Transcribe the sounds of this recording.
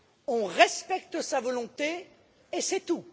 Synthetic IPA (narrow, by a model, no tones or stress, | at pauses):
ɔ̃ʁɛspɛkt̪əsavɔlɔ̃t̪eː | sɛt̪u